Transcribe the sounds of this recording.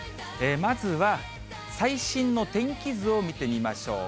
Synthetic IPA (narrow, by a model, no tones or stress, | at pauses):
emazɨβa | saiɕĩnːo̞t̪ẽ̞ŋkʲizɨo̞mʲit̪e̞mʲimaɕo̞̰ː